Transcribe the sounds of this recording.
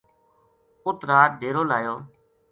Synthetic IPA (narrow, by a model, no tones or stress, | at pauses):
ʊt̪ɾaːɾɖʱeːɾoːlaːjoː